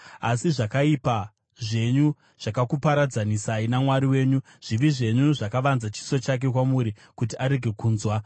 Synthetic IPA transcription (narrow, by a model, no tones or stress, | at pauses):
asiʐakaipa | ʐe̞ɲu | ʐ̥akakupaɾad͡zanisainamwaɾiwe̞ːɲu | ʐ̥iʋiʐe̞ɲuʐakaʋanzat͡ʃi̥so̞t͡ʃak̬e̞kwamuɾi | kutiʔaɾe̞ɡʱe̞kuːnzwa